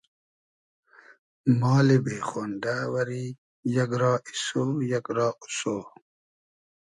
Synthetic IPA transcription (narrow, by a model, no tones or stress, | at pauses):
mɔːlebeːxoːnɖawɐɾi | jɐɡɾɑːʔisoːjɐkɾɑːu̥soː